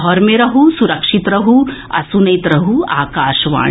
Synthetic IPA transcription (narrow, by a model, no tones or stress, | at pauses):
ɦɔɾmeɾɐɦusuɾɐkʂit̪ɾɐɦuɐ̰sunɐjt̪ɾɐɦuaːkaːʃɐʋa̰ː